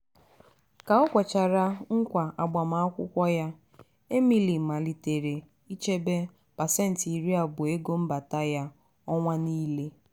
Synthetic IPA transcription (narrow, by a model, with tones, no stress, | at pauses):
ka˨ɔ˦kʷɔ˨t͡ʃa˨ɾa˦ŋ̩˦kʷa˨ʔa˨ɡ͡ba˨ma˨a˦kʷʊ̰˦kʷɔ˦ja˦ | e˦mi˦li˨m̩˨ma˨li˨te˨ɾe˨ | i˦t͡ʃe˦be˦ | pa˨sɛ˦n̩˨ti˨ɾi˦a˨bʊ˨e˦ɡo˦m̩˦ba˨ta˦ja˦ | ɔ˦ŋʷa˦ni˦le˦